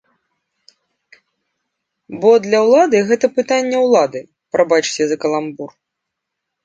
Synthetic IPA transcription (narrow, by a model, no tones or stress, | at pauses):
bɔd̪lʲɐwlˠad̪ɨɣɛt̪ɐpɨt̪anʲːɛwlˠad̪ɨ | pɾabat͡ʂɨ̥t͡sʲɛzɐkɐlˠambur